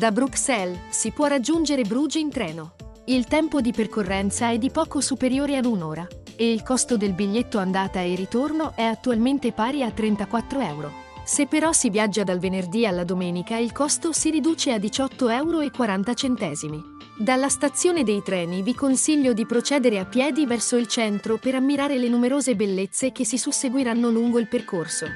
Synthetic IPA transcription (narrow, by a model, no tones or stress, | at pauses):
d̪abɾuksɛlsipwɔrːad͡ʒːund͡ʒeɾebɾuːd͡ʒint̪ɾɛːno | ilt̪ɛmpod̪iperkorːɛnt̪saɛd̪ːipɔːkosupeɾjoːɾead̪unoːɾa | eilkɔst̪od̪elbiʎːet̪ːoand̪aːt̪aerit̪ornoʔɛat̪ːualment̪epaːɾiat̪ːɾent̪akwat̪ːɾoɛwɾo | sepːeɾɔsivjad͡ʒːad̪alvenerd̪ialːad̪omɛːnikailkɔst̪osiɾid̪uːt͡ʃead̪it͡ʃɔt̪ːoɛwɾoekːwaɾant̪at͡ʃent̪ɛːzimi | d̪alːast̪at̪sːjoːned̪ejt̪ɾɛːnivikonsiʎːod̪ipɾot͡ʃɛːd̪eɾeapːjɛːd̪ivɛrsoilt͡ʃɛnt̪ɾopeɾamːiɾaːɾelenumeɾoːzebelːet̪sːek̟esːisusːeɡwiɾanːoluŋɡoilperkorso